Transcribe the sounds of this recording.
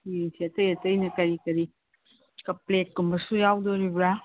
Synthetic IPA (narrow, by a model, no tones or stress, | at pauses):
ieŋsiɐtɐjɐtɐjnɐkɐɾikɐɾi | kɐplet̚kumbɐsujawd̪oɾibɾa